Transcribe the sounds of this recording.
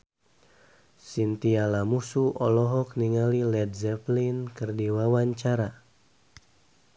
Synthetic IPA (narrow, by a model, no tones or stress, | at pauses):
sint̪ialamusuʔɔlɔɦɔk̚niŋalilɛd̪zɛplinkɨrdiwawaɲt͡ʃaɾa